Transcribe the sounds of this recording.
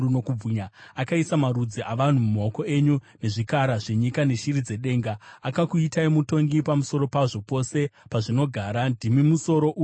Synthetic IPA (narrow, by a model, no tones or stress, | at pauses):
uno̞kub͡vuɲaakaisamaɾud͡ziʔaʋan̤umumo̞ko̞e̞ɲune̞ʐikaɾaʐe̞ɲikane̞ʃirid͡ze̞ɗe̞ːŋɡaakakuitaimuto̞ŋɡipamuso̞ɾo̞paʐo̞po̞se̞paʐino̞ɡʱaːɾandʱimimuso̞ɾo̞ʔu